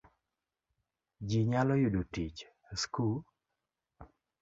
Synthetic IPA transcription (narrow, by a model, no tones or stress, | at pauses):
d͡ʒiɲalɔjudotit͡ʃ | skul